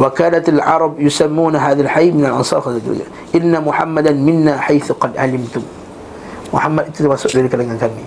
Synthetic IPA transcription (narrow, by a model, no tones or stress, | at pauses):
wakaːnat̪alʕɑɾˤɑbjʊsamːuːnaɦaːðalħajmɪnalʔɑnsˤɑːɾxakl̰a̰ | ʔɪnːamʊħamːad̪anmɪnːaːħajθʊqɑd̪ʕa̰lɪmt̪ʊm | mʊ̰ħamːaʔɪt̪ʊwasʊʔdelikalaŋkaŋkanːi